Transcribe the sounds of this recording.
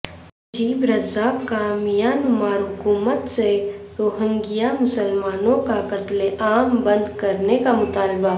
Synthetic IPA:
d͡ʒiːbɾɐzaːbkamijaːnʊmaːɾɦʊkuːmət̪seɾoːɦə̃ŋɡijamʊsəlmaːnõkakɐt̪leʔaːmbɐ̃nd̪kɐɾnekamʊt̪aːlɪba

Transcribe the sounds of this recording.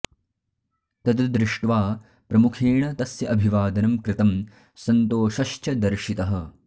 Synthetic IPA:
t̪ɐd̪ɐd̪ɾɪʂʈʋaː | pɾɐmukʰeːɳɐt̪ɐsjɐʔɐbʱiʋaːd̪ɐnɐmkɾɪt̪ɐm | sɐnt̪oːʃɐʃt͡ʃɐd̪ɐɾʃit̪ɐɦɐ̆

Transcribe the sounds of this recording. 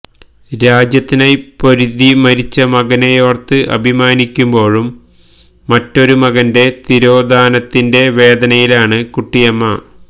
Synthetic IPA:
ɾaːd͡ʑjɐt̪ːinajpo̞ɾuðimɐɾit͡ɕːɐmɐɡɐnejo̞ːrt̪ːɨʔɐ̰bʱimaːnikʲːumbo̞ːɻumː | ɐtːo̞ɾumɐɣɐnde̞t̪iɾo̞ːd̪ʱaːnɐt̪ːinde̞ʋe̞ːd̪ɐnɐjilaːɳɨkuʈːijɐmːɐ

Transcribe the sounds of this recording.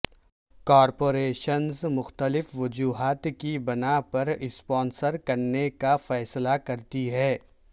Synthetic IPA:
kɔːɾpoːɾeːʃənzmʊxt̪əlɪfʋʊd͡ʒuːɦaːt̪kibɐnapɐɾɪspɔ̃ːnsəɾkɐɾnekafɛːslakɐɾt̪iɦɛː

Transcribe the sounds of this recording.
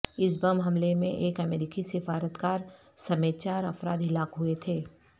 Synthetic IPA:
ɪs̬bɐmɦɐmlemẽʔeːkɐmeːɾiːkisɪfaːɾət̪kaːɾ | sɐmeːt̪t͡ʃaːɾɐfɾaːd̪ɦɪlaːkɦuet̪ʰeː

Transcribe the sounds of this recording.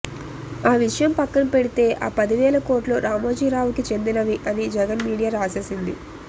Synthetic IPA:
aːʋiʂɐjɐmpɐkːɐnɐpe̞ɽit̪e̞ːʔaːpɐd̪iʋɛːlɐko̞ːʈloːɾaːmoːd͡ʒiːɾaːʋukit͡ʃe̞nd̪inɐʋiʔɐnid͡ʒɛɡɐnmiːɽijaːɾaːseːsind̪i

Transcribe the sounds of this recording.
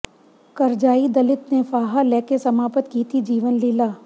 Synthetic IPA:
kɐɾd͡ʒaːid̪ɐlɪt̪nefaːɦalɛːkesɐmaːpət̪kiːt̪ʰid͡ʒiːʋənliːlaː

